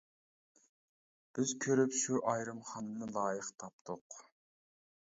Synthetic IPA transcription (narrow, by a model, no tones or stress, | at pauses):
b̥ɪzkʲʰøɾypʃuʔɑjɾɨmχɑnɨnɨlˠɑːjəqt̪ʰɑp̚t̪ʰʊq